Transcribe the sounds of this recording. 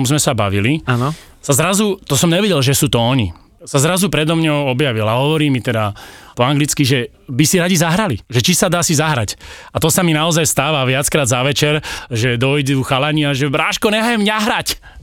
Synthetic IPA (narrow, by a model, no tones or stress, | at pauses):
mzmɛsabaʋilianɔ | sazɾazut̪ɔsɔmɲɛʋɛɟɛlʒɛsuːt̪ɔɔɲḭ | sazɾazupɾɛd̪ɔmɲɔɔbjaʋilaɦɔʋɔɾiːmit̪ɛd̪apɔaŋɡlit͡skiʒɛ | bisiɾaɟizaɦɾaliʒɛt͡ʃisad̪aːsizaɦɾacat̪ɔsaminaɔzajst̪aːʋaʋɪat͡skɾaːd̪zaʋɛt͡ʃɛɾʒɛd̪ɔjd̪uːxalaɲɪaʒɛɾaːʃkɔɲɛɦajɛmɲaɦɾac